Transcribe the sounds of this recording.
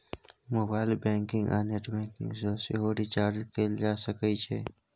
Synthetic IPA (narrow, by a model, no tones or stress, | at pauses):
moːbaːɪlbɛ̃ːŋkɪ̃ŋɡa̰ːneʈbɛ̃ːŋkɪ̰̃ŋɡsoːsḛɦoːɾit͡ʃaːɾd͡ʒkeld͡ʒaːsəkət͡ʃʰḛː